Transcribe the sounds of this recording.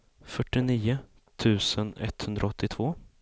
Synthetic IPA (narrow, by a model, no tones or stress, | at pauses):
fœʈːɪniːʊ | t̪ʰʉ̟ːsənɛ̰t̪ːhɵnd̪ɾaɔt̪ʰːɪt̪ʰv̥oː